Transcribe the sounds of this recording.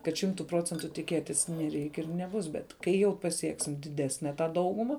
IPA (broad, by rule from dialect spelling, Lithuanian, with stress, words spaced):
kɐt ˈʃʲɪmtʊ ˈproːt͡sʲɛntʊ tʲɪˈkʲeːtʲɪs nʲɛˈrʲɛɪkʲ ɪr nʲɛˈbʊs bʲɛt ˈkɐɪ jɛʊ pɐˈsʲiɛksʲɪm dʲɪˈdʲæːsʲnʲɛ tɑː ˈdɐʊɡʊmɐ